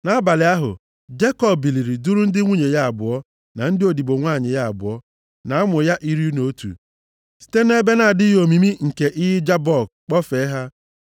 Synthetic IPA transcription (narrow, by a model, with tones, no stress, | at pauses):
na˦ba˨lɪ˨˦a˦ɦʊ̰˨ | d͡ʒe˦kɔ˦˨bbi˨li˨ɾi˨du˦ɾu˦n̩˦dɪ˦ŋʷu˦ɲe˨ja˦a˨bʊ˨ɔ˦ | na˨n̩˦dɪ˦o˨di˨bo˨ŋʷaː˦˨ɲɪ˨ja˦a˨bʊ̰˨ɔ˦ | na˨˦a˦mʊ˨ja˦ʔi˦ɾi˦u˦no˨o˦tṵ˨ | si̥˦te˦n˦e˦be˦na˨dɪ˦jo˨mi˨mi˦ŋ̩˨ke˨ʔɪ˦ɦɪ˦d͡ʒa˦bɔ˦˨ɡ̚k͡pɔ˦fe˨˦ɦa˦